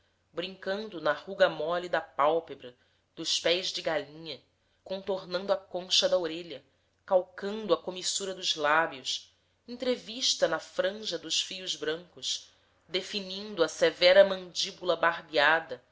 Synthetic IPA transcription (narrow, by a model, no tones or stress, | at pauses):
bɾĩŋkɐ̃nd̪ʊnɐhuɡɐmɔlid̪ɐpawpebɾɐ | d̪̥ʊʃpɛjzd͡ʒɪɡalĩɲɐ | kõnt̪oɾnɐ̃nd̪ʊɐkõʃɐd̪ɐoɾeʎɐ | kawkɐ̃nd̪ʊɐkomisuɾɐd̪ʊzlabiʊʃ | ẽt̪ɾeviʃt̪ɐnɐfɾɐ̃ʒɐd̪ʊʃfijʊzbɾɐ̃ŋkʊʃ | d̪efinĩnd̪ʊɐsevɛɾɐmɐ̃nd͡ʒibulɐbaɾbiad̪ɐ